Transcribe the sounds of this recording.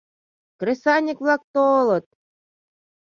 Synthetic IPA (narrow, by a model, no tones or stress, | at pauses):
kɾʲĕsɑnʲikvlˠɑk̚t̪olˠɤ̆t̪̚